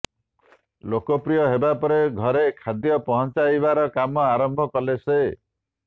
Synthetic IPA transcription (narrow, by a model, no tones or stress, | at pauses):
lokɔpɾijɔɦebapɔɾeɡʱɔɾekʰad̪jɔpɔɦɔ̃nt͡ʃajβaɾɔkamɔaɾɔmbʱɔkɔlese